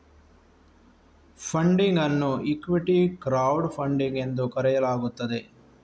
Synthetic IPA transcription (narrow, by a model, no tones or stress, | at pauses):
pʰɐɳɖiŋɡɐnːuikːʋiʈikɾaːwɖpʰɐɳɖiŋɡe̞nd̪ukɐɾɛjɐlaːɡut̪ːɐd̪e̞